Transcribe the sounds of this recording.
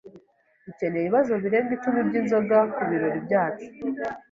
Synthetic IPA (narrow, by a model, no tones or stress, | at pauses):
βice̞nejiβiβazo̞βiɾe̞ːŋɡit͡ʃumibɟiːnzo̞ɡakuβiɾo̞ɾibɟaːt͡ʃu̥